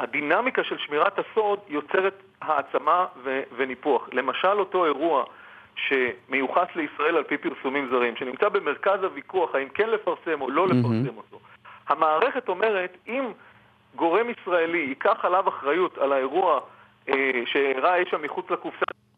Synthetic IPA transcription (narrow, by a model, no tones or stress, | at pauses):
hadinamikaʃe̞lʃmiʁathaso̞djo̞t͡se̞ʁe̞t | haːt͡samaveve̞nipuaχle̞maʃalo̞to̞e̞ʁua | ʃe̞mejuχasle̞isʁae̞lalpipiʁsumimzaʁimʃe̞nimt͡sabe̞me̞ʁkazhavikuaχaimkenle̞faʁse̞mo̞lo̞lefaʁse̞mo̞to̞hamaːʁe̞χe̞to̞me̞ʁe̞tim | ɡo̞ʁe̞misʁaeliːkaχalavaχʁajutalae̞ʁua | eʃeːʁajeʃamːiχut͡slakufsa